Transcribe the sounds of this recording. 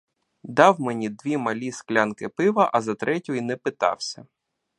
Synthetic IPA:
d̪ɑwmenʲid̪ʋʲimɐlʲisklʲankɪpɪʋɐʔɐzɐt̪ɾʔɛtʲʊjinɛpɪt̪ɑ̰wsʲɐ

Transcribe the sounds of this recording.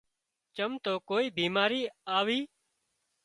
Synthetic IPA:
t͡ʃəmt̪oːkoːiːbʱiːmaːɾiːaːʋiː

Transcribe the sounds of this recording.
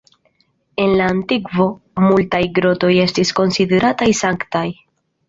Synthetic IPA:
e̞nlaːntiɡvo̞ | multajɡɾo̞to̞je̞stisko̞nside̞ɾatajsaŋktaj

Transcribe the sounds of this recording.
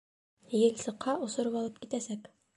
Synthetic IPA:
jɘ̆lʲsɤ̆qʰːɑʔŏsŏɾɤpɑlˠɤp̚kit̪æsæk

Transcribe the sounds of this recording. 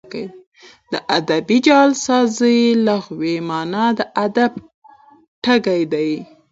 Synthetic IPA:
kaj | d̪̥əʔad̪abid͡ʒɑlsɑzijlaxwemɑnad̪əʔad̪ab̚ | ʈaɡajd̪aj

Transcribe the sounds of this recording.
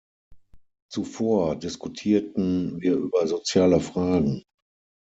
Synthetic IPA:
t͡sufoːɐdɪskutʰiːɐtn̩viːɐʔyːbɐzot͡sjaːləfʁ̥aːɡŋ̩

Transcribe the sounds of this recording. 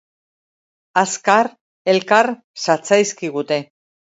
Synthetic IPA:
askaɾ | e̞lkaɾ | sat͡sajskiɣut̪e̞

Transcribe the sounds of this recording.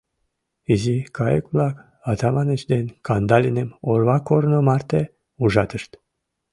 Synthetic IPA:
izikʰɑjəkvlɑk | ɑt̪ɑmɑnət͡ʃd̪enkʰɑnd̪ɑlʲinemorβɑkoɾnomɑrt̪e | uʒɑt̪əʃt̪

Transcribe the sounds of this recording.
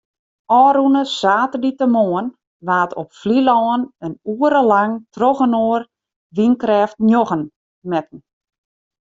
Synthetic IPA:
ɔːɾunəsaːtəditəmoːən | ʋaːtʰɔpflilɔːənənuəɾəlaŋtrɔɣənoər | ʋinkrɛːftnjoɣən | mɛtn̩

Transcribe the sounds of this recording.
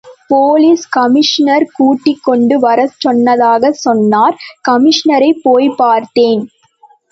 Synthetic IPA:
poːliskɐmɪʂnɐɾkuːʈːɪkːɔɳɖɯʋɐɾɐt͡ʃɔnːɐðaːɣɐsɔnːaːɾkɐmɪʂnɐɾɐɪpːoːjpaːɾt̪eːn

